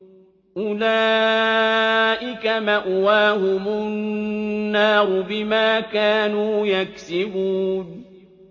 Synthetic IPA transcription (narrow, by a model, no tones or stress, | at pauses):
ʔʊlaː | ʔɪkamaʔwaːhʊmʊnːɑːɾʊbɪmaːkaːnuːjaksɪbuːn